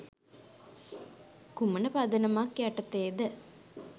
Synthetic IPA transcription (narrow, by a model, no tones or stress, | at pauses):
kumənəpad̪ənəmakjaʈət̪eːd̪ə